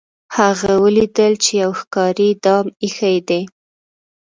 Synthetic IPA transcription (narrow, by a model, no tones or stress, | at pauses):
haɣawəlid̪əlt͡ʃejawxkɑɾid̪ɑmixajd̪e